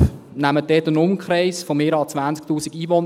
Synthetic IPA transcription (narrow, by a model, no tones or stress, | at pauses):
næmət̚dɛt̪ənʊmkχɾɛɪsfomeːɾɑlt͡sʋænt͡ssk̚tuːsiɡiːʋɔn